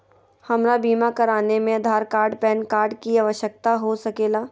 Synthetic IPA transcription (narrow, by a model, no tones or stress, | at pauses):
hɐmɾabiːmakɐɾaːnemẽɐd̪ʱaːɾkaːɾɖpɛːnkaːɾɖkiaːʋəʃjək̚t̪aɦosɐkeːlaː